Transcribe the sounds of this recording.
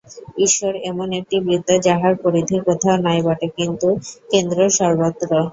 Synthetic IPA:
iʃoɾemonek̚ʈibɾid̪ʱːad͡ʑaɦaɾpoɾid̪ʱikot̪ʰaonajbaʈekint̪ukend̪ɾoʃɔɾbot̪ːɾo

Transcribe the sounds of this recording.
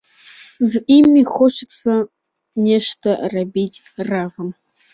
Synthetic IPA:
zʔimːixot͡ʃɪt͡sʰɐ | nʲeʃtʰɐrɐbiːtʰʲ | raːvɐm

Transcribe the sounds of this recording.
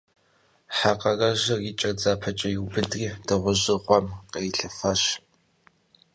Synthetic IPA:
ħaqɐrɐʑɐriːt͡ʃʼɐd͡zaːpʰɐt͡ʃʼɐjuwbɨdriːdɐʁʷʊʑɪʁʷɔmqɐiɬɐfɐɕ

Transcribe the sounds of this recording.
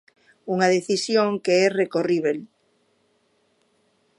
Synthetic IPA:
uŋaðeθisjoŋkeɛrekoriβel

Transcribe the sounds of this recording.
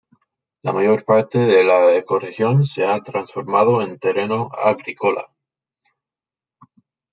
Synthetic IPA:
lamaʝo̞ɾpaɾt̪e̞ðe̞laeko̞rexjo̞nse̞at̪ɾansfo̞ɾmað̞oe̞nt̪e̞reno̞a̰ɣɾikola̰

